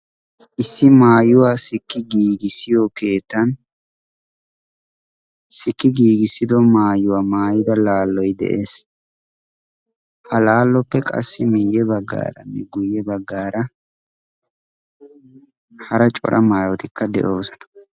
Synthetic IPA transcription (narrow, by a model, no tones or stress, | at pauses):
ʔɪsːɪmaːjʊwaːsɪkːɪɡiːɡɪsɪjɔke̞ːt̪ːɐn | sɪkːɪɡiːɡɪsːɪd̪ɔmaːjʊwaːmaːjɪd̪ɐlaːlːɔjd̪ɛ̰ʔe̞ːs | hɐlaːlːɔpːɛkʼɐ̰sːɪmɪjːɛbɐɡːa̰ːɾɐ̰mːɪɡʊjɛbɐɡːaːɾɐ | hɐɾɐt͡ʃʼɔ̰ɾʔɐmaːjɔt̪ɪkʰːɐd̪ɛ̰ʔo̞ːsɔ̥nɐ̥